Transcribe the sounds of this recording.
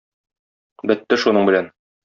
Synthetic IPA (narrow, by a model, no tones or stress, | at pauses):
bɘt̪ːɘʃunɤɴbɘ̆læn